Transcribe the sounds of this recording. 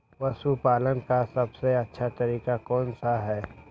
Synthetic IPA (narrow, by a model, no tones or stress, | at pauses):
ʋɐsupaːlənkasɐbseɐtːʃʰat̪ɐɾiːkakɔːnsaɦɛː